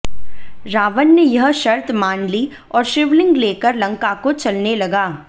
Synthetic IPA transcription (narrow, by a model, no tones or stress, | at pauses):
ɾaːʋənːejɐɦʃɐɾt̪ʰmaːnli | ɔːɾʃɪʋlɪ̃ŋɡleːkəɾlɐ̃ŋkakot͡ʃɐlnelɐɡaː